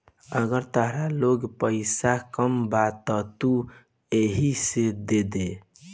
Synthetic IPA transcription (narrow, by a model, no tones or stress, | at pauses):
əɡəɾt̪əɦɾaloɡpəɪsakəmbat̪ːɔt̪u | eɦised̪ed̪e